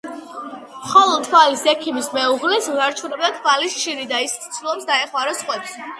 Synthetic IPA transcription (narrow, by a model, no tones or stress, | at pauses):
mχɔlˠɔt̪ʰwalisɛkʰimismɛuʁlɛsnaɾt͡ʃʰuɾɛbɛt̪ʰvalisʃiɾid̪aist̪ʰt̪sʰlˠɔpsd̪aɛχmaɾɔsχʼwɛps